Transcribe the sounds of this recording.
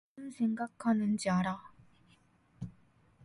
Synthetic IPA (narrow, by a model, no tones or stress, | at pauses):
ɯnsʰeŋɡakʰːanɯnt͡ɕaɾa